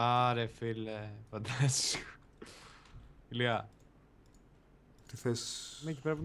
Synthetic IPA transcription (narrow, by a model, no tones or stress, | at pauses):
ɐɾefilefɐnd̪ɐs | iliɐ | t̪iθesmecipɾepi